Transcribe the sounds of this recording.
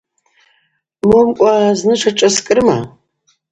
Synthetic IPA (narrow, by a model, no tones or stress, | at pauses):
momkʷʼaznɨʂɐʈ͡ʂʼɐskʼɨɾma̰